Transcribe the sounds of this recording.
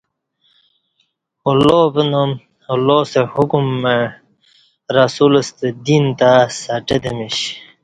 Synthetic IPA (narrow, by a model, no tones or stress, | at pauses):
olobənom | olosehukumːe | ɾasuləst̪ed̪int̪asaʈed̪emiɕ